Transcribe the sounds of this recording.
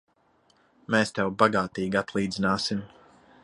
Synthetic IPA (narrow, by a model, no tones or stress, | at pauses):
meːst̪ɛwbaɡaːt̪iːɡat̪lˠiːd̪zinaːsim